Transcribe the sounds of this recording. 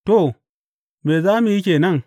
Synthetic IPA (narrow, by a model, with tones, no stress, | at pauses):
to˦˨ | me˨za˦mi˦i˦ke˨na˦˨ŋ